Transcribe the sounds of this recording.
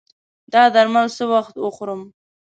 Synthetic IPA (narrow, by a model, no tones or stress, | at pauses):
d̪ɑd̪aɾmalsəwaxt̪wəxɾəm